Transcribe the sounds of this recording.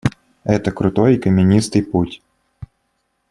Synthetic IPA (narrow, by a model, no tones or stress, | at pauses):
ɛt̪əkɾʊt̪ojikəmʲɪnʲist̪ɨjputʲ